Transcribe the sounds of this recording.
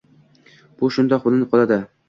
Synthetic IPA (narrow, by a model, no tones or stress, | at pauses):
b̥ʊʃʊnd̪ɒqbʊlˠnɪqʰɒlˠad̪ɪ